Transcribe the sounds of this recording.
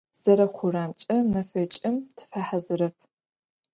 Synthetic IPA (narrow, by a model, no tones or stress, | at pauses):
z̥ɐɾɐqʷʰʊraːmt͡ʃʼɐmɐfɐt͡ʃʼɪmtʰɨ̥faħazɨɾɐpʰ